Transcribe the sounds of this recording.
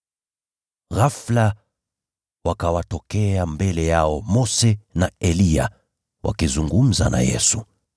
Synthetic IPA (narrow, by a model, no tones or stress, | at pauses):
ɣafla | wakawatɔkɛambɛlɛjaɔmɔsɛnaɛlia̰ | wʔa̰kizuŋɡum̩za̰na̰jɛ̰su